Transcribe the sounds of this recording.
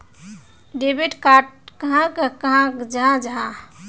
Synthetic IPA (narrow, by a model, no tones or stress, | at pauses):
ɖebiʈkaʈkəɦãkkəɦãkd͡ʒəɦãd͡ʒəɦã